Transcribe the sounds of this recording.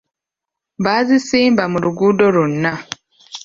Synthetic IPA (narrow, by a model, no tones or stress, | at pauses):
βaːzisiːmbamuluɡuːdo̞lunːa